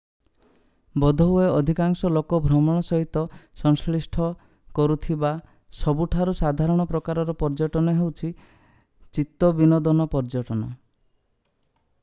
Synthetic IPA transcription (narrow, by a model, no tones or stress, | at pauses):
bɔd̪ʱɔɦueɔd̪ʱikaŋsɔlokɔbʱɾɔmɔɽ̃ɔsɔɦit̪ɔsɔŋskɭisʈʰɔ | kɔɾut̪ʰiba | sɔbuʈʰaɾusad̪ʱaɾɔɽ̃ɔpɾɔkaɾɔɾɔpɔɾd͡ʒɔʈɔnɔɦewt͡ʃʰi | t͡ʃit̪ːɔbinɔd̪ɔnɔpɔɾd͡ʒɔʈɔnɔ̰